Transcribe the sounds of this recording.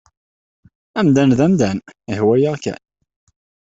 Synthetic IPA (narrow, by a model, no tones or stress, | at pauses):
æmd̪ænðæmd̪ænihwæjaʁkæ̰n